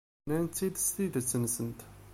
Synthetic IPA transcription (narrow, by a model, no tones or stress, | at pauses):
nænt̪ːid̪st̪iðət͡sːənsənt̪